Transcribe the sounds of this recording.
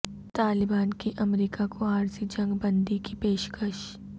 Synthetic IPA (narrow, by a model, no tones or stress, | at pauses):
t̪aːlɪbaːnkiʔɐmɾiːkakʰoaːɾzid͡ʒɐ̃ŋɡbɐ̃nd̪ikipeːʃkəʃ